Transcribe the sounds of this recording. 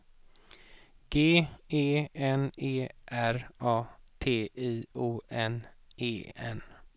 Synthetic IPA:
ɡ̥eːeːɛneːʔæɾɑːt̪ʰeːʔiːuːʔɛneːɛ̰n

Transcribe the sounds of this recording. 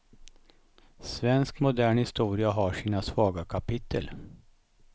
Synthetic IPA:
svɛnskmʊd̪æːɳhɪst̪uːɾɪaɦaʂiːnasvɑːɡakʰapɪt̪ʰːə̰l

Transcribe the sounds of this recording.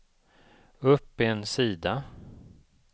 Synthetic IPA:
ɵpːɪɛnsiːd̪a

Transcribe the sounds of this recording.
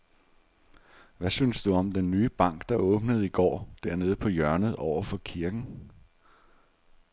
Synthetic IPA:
ʋæsynsd̥uɒ̽md̥enːyːb̥ɑ̈ŋ̰ɡ̥d̥ɑ̈ɔ̽ːb̥nəð̞̩ˠiɡ̥ɒ̰ːd̥æɐne̝ːð̞̩ˠpʰɒ̽jɶɐnəð̩ˠɒʊ̰ɐfɒ̽kʰiɐɡ̥n̩

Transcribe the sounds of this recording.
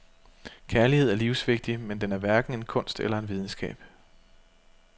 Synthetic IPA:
kʰæɐlihe̝ð̞̰ˠæɐliʊsʋe̝ɡ̥̚d̥imend̥enæɐʋæɐɡ̥n̩e̝nkʰɔ̽n̰sd̥elɐe̝nʋið̞ˠn̩sɡ̥ɛ̰ːb̥

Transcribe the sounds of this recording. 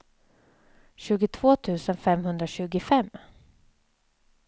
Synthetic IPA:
ɕʉ̟ːɡɪt̪ʰv̥oːt̪ʰʉ̟ːsənfɛmhɵnd̪ɾaɕʉ̟ːɡɪfɛmː

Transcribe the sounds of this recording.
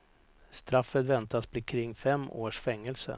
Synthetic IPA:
st̪ɾafːət̪vɛnt̪asb̥lɪkʰɾɪŋːfɛmːoːʂfɛŋːəlsə̰

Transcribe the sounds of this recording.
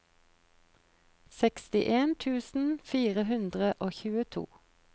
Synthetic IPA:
sɛkst̪ɪʔeːnt̪ʰʉːsn̩fiːʁəɦʉnd̪ʁəʔoːçʉːət̪ʰṵː

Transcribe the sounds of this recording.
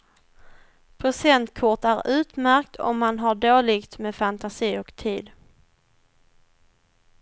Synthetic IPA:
pʰɾʊsɛnt̪kʰʊʈæɾʉ̟ːt̪mæɾkt̪ʰɔ̰mːanɦaɖoːlɪɡt̪meːfant̪asiːɔkt̪ʰiːd̪

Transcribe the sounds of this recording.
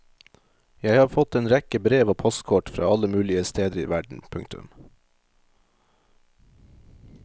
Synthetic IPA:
jæɪhɑːfɔt̪eːnɾɛkəbɾeːʋoːpʰɔst̪kʰɔʈfɾɑ̰ːɑləmʉːlɪəst̪eːd̪əɾḭːʋæɖɳ̩pʰʉŋt̪ʉ̰m

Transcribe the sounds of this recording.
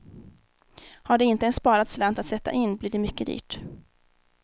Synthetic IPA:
haɖɛɪnt̪əɛnspɑːɾat̪slant̪at̪sɛt̪ːa̰ʔɪnːbliːɖɛmʏkːəd̪ḭːʈ

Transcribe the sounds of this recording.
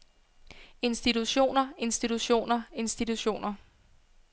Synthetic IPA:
e̝nsd̥it͡sʰuɕo̝̰ːnɐe̝nsd̥it͡sʰuɕo̝̰ːnɐe̝nsd̥it͡sʰuɕo̝̰ːnɐ

